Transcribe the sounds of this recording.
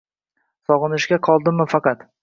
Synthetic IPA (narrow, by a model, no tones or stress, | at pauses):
sɒʁɨnɪʃɡʲaqʰɒlˠd̪ɪmɪfɑqɑt̪